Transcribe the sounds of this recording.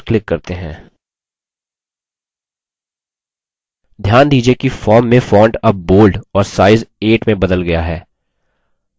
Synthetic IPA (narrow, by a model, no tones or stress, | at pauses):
klɪkːɐɾt̪eɦɛ̰̃ː | d̪ʱjaːnd̪iːd͡ʒiekifɔːɾmːẽfɔːɳʈɐp̚boːlɖɔːɾsaːɪzeːʈmẽbɐd̪əlɡɐjaɦɛː